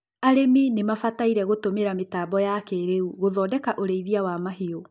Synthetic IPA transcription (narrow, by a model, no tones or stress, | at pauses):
aɾeminemafataiɾɛɣotomeɾametaːbɔjakɛːɾeuɣoðɔdɛkaʔoɾeiðiawamaɦio